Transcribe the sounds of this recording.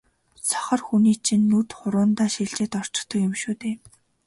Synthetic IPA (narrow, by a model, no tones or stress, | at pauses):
t͡sʰɔ̥χə̆rxuniːt͡ɕʰinːut̪χʊɾʊːnt̪aːʃiɮt͡ɕeːt̪ɔr̥t͡ɕɪ̥̆t̪ɞ̆kjʊmʃuːt̪eː